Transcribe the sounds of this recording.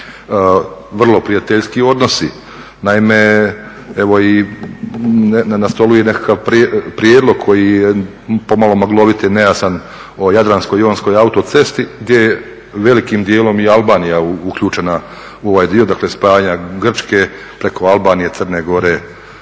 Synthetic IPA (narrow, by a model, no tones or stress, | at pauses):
ʋr̩lˠo̞pɾijat̪eʎskio̞d̪no̞si | naime̞ | eʋo̞i | nnanast̪o̞lujenekakaʋpɾpɾijeːd̪lo̞ɡ̚kʰojije | po̞malo̞maɡlˠo̞ʋit̪inejasan | ojad̪ɾansko̞jonsko̞jaut̪ot̪se̞st̪iɡd̪je̞je | ʋe̞likimd̪je̞ːlo̞mialˠbaːnijauukʎuːt͡ʃe̞na | uo̞ʋaːjd̪io̞d̪akle̞spaːaɲaɡr̩t͡ʃke̞ | pɾe̞ko̞alˠbaːnije̞t̪sərneːɡo̞ɾe̞ː